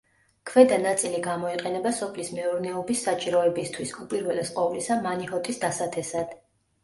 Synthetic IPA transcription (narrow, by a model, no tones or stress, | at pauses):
kʰvɛd̪anat̪sʼiliɡamɔiqʼɛnɛbasɔpʰlismɛuɾnɛɔbisːat͡ʃʼiɾɔɛbist̪ʰwisupʼiɾvɛlɛsqʼɔvlisamanihɔt̪ʰʼisd̪asat̪ʰɛsad̪̥